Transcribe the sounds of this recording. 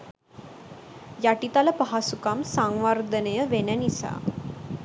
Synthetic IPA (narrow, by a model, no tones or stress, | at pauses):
jaʈit̪aləpaɦasukamsaŋʋard̪ənəjəʋenənisa̰ː